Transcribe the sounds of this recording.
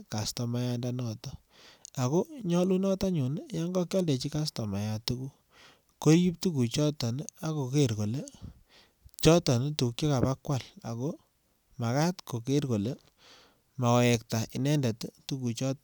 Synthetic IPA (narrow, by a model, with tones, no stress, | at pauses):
ka˨stɔ˨ma˦ja˦nda˦nɔ˨tɔ˦ | a˨ko˦ɲɔ˦lu˦nɔ˦ta˦ɲu˨n˦ja˦ŋɡɔ˦kjɔ˦lde˨t͡ʃi˦ka˦stɔ˨ma˨ja˨tu˦ku˦ | ko˦ɾji˦p̚tu˦ku˨t͡ʃɔ˦tɔ˨n˦a˦ko˨ke˦ɾko˨le˦ | t͡ʃɔ˦tɔ˨n˦tu˨kjɔ˦ka˨pa˦kwa˨la̰˨ko˦ | ma˨ka˦tko˨ke˦rko˨le˦ | ma˨wɔ˨ɛ˨k̚ta˨ʔi˨nɛ˦ndɛ˨ttu˦ku˨t͡ʃɔ˦t